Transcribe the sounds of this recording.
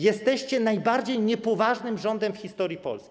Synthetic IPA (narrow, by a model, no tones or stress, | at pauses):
jɛst̪ɛɕt͡ɕɛnajbaɾd͡ʑejɲɛpɔvaʐnɘmʐɔnd̪ɛmfxʲist̪ɔɾʲjipɔ̰lskʲ